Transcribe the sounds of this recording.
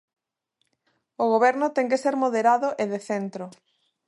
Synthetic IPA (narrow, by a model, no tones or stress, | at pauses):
oɣ̞oβɛɾnʊt̪ɛŋkeseɾmoðeɾaðʊʔeðeθent̪ɾo